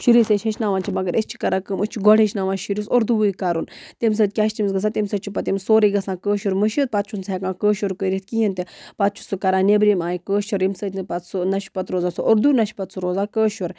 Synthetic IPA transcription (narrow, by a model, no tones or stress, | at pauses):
ʃiɾiseʃʰeʃnaːʋaːnt͡ʃʰimɐɡɐɾʔest͡ʃʰi̥kɐɾakəməst͡ʃʰiɡɔɽeʃʰnaːʋanʃiɾisoɾd̪uʋujkaːɾunt̪emʲs̬əːt̪̚ʲkʲaːʃt̪imsɡɐs̬aːt̪ʲemsət͡ʃʰipɐt̪ʲimsoːɾiɡɐsãːkəːʃuɾməʃit̪̚pat̪̚t͡ʃʰunt͡sʰekãːkəːʃoɾkəɾʲit̪̚kiɦint̪epat̪̚t͡ʃʰu̥sukɐɾaːnebɾimaːjikəːʃuɾimsəːt̪ʲnɨpɐt̪sunɐʃi̥pɐt̪ɾoːzaːsuʔoɾd̪unɐʃʲpɐt̪suɾoːzaːkəːʃɐɾ